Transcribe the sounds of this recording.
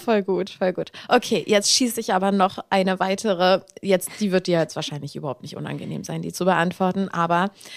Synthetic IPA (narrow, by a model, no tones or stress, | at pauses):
fɔlɡuːtfɔlɡuːtʔokʰeːjʔɛt͡stʃiːsəɪçʔaːbɐnɔχʔaɪnəvaɪtʰəʁ̞əjɛt͡std̥iːvɪɐt̚d̥iːjajɛt͡stv̥aːɐʃaɪnlɪçʔy̰bɐhaʊptnɪçtʔʊ̰na̰nɡənḛːmzaɪndiːt͡subəʔantv̥ɔɐtn̩ʔaːbɐ